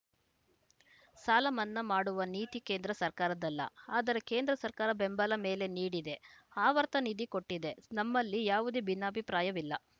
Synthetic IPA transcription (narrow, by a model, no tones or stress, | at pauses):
saːlɐmɐnːɐmaːɽuʋɐniːt̪ike̞ːnd̪ɾɐsɐɾkaːɾɐd̪ɐlːɐ̰aːd̪ɐɾe̞ke̞ːnd̪ɾɐsɐɾkaːɾɐbembɐlɐme̞ːle̞niːɽid̪e̞aːʋɐɾt̪ɐnid̪iko̞ʈːid̪e̞nɐmːɐlːijaːʋud̪ebinːɐːbʱipɾaːjɐʋilːɐ